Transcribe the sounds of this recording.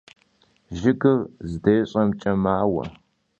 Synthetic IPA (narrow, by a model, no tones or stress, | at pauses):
ʒɪɡɨrzɨdeːɕʼɐmt͡ʃʼɐmaːwɐ̰